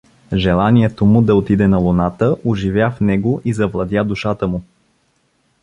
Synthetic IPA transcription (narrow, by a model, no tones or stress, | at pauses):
ʒɛlˠaniɛt̪omʊd̪ɐot̪id̪ɛnɐlˠʊnat̪əʔoʒivjafnɛɡoʔizɐvlˠɐd̪ʲjad̪uʃat̪əmʊ